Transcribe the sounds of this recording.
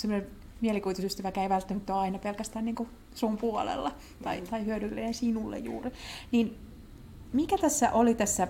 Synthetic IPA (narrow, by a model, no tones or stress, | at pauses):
semːonen | mielikuit̪usyst̪æʋækæiʋælt̪ːæmæt̪ːoɑinɑpelkæst̪æːnniːŋku | sumpuolḛlːɑ | t̪ɑit̪ɑihyødylːeːensinulːḛjjṵːriniːn | mikæt̪æsːæʔolit̪æsːæ